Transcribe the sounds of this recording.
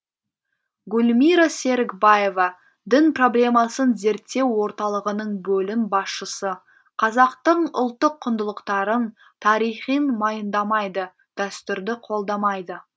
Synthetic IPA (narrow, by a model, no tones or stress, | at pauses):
ɡʊlʲmijɾase̞ɾɪkbaje̞vɑ | d̪ɪnpro̞blʲe̞mɑsənze̞ɾt̪ːe̞wːo̞ɾt̪ɑlˠəʁənəɴbɵlɪmbɑsʃəsə | qʰɑzɑqt̪əɴʊ̰lˠt̪ːəqʰːʊnd̪əlˠəqt̪ɑɾən | t̪ʰɑɾijχijnmɑjənd̪ɑmɑjd̪ə | d̪̥æst̪ʏɾd̪ɪqʰo̞lˠd̪ɑmɑjd̪ə